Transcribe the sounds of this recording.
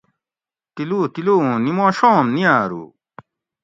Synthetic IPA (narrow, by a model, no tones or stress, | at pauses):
t̪ilut̪ilunimõːɕoːmniaːɾṵ